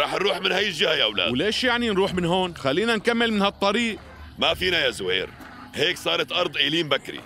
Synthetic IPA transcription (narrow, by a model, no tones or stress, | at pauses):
ɾˤɑːħnɾuːħmɪnhajːɪlʒɪhajʔawla̰ːdwleːʃjaʕninɾuːħmɪnɦoːnxalːiːnankamːɪlmɪnhɑt̪ˤːɑɾiːʔ | mafiːnajazʊhḛːɾ | heːksˤɑːɾˤɑt̪ʔɑɾˤd̪ˤʔeːliːmbakɾḭ